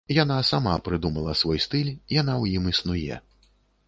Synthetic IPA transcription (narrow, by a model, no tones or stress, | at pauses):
janasamapɾɨd̪umɐlˠɐsvɔjst̪ɨlʲjanawjimisnujɛ̰